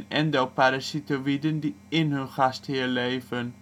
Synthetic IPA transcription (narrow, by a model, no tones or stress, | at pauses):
nɛndəlpaɾasitəʋidəndi | ɪnɦɵnχasthɪːɹlejvən